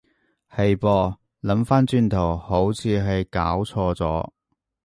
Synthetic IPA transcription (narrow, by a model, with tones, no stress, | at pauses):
hɐ˨jpɔː˧ | lɐ˨˧˥mfaː˥nt͡ʃyː˧nt̪ʰo˨˩who˨˥wt͡sʰiː˨˧ɦɐ˨jkaː˨˥wt͡sʰɔː˧t͡sɔ̰ː˨˥